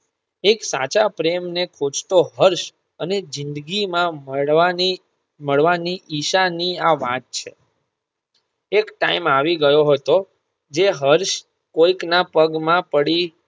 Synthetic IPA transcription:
eksa̰t͡ʃapɾemnekʰot͡ʃt̪oɦəɾʃ | əned͡ʒɪnd̪ɡimãə | məɭʋaniʔiʃaniaʋã̰t̪̚t͡ʃʰḛ | ekʈa̰imaʋiɡəjoɦət̪o | d͡ʒeɦəɾʃ | koiknapəɡmãpəɽi

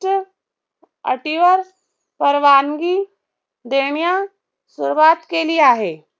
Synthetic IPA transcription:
ə̰ʈiʋəɾ | pəɾʋaːnɡi | d̪eːɳijã | sʊɾʋaːt̪kelieaːɦeː

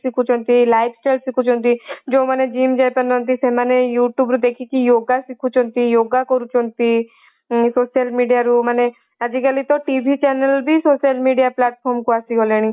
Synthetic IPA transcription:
sikʰut͡ʃʰɔnt̪ilajpʰsʈalsikʰut͡ʃʰɔnt̪id͡ʒõmaned͡ʒimd͡ʒajpanɔnt̪isemanejuʈjubɾud̪ekʰikijoɡasikʰut͡ʃʰɔnt̪ijoɡakɔɾut͡ʃʰɔnt̪i | sosialmiɖijaɾumane | ad͡ʒikalit̪ɔʈibʱit͡ʃɛnelbʱisosalmiɖijaplaʈ̚pʰɔɾmkuasiɡoleɽ̃i

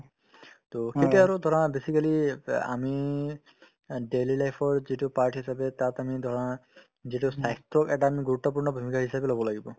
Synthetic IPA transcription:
t̪oxetiaɹud̪ʱɔɹɔnabesikalia̰mi | ɖelilajpʰɔɹzitupaɹʈɦisabɛt̪at̪amid̪ʱɔɹɔna | zitusajst̪ɔkɛʈaːmiɡuɾut̪ːɔp̬uɹnɔbʱumikʰaɦisabɛlɔbɔlaɡibɔ

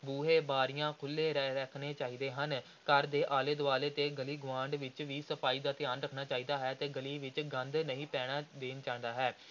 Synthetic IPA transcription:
buːɦeːbaːɾɪjãːkʰʊlːeːɾəkʰneːt͡ʃaːiːd̪eːɦən | kəɾd̪eːʔaːleːd̪ʊʋaːleːt̪eːɡəliːɡʊʋãːɳɖʋɪt͡ʃʋiːsəpʰaːiːd̪aːt̪ɪjaːnɾəkʰnaːt͡ʃaːiːd̪aːɦɛːt̪eːɡəliːʋɪt͡ʃɡə̃nd̪nəĩːpɛːɽ̃aːd̪eːnt͡ʃãːnd̪aːɦɛː

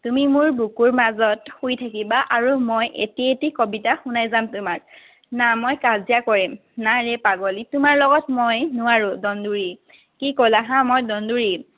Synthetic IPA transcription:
tumimʊɹbukuɹmazɔthujtʰakibaʔaɹumojʔḛtietikobitaxunajzamtʊmaɹ | namojkazijakɔɹim | naɹepaɡɔlitʊmaɹlɔɡɔtmojnʊaɹʊ̃dɔnduɹi | kikɔlaɦãmojdɔnduɹi

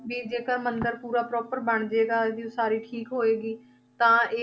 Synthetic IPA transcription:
biːd͡ʒeːkəɾmənd̪əɾpuːɾaːpɾɔːpəɾbəɳ̃d͡ʒeːɡaːd̪iːõsaːɾiːʈʰiːkɦoːeːɡiː | t̪ãːeː

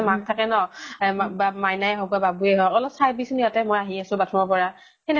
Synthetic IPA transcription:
mak̚tʰakɛnɔ | bamajnaɛɦɔɡababuɛɦɔɔlɔpsaɹbisnijatɛmojaɦiasʊ̃batʰɔmɔɹpɔɹa | xɛn

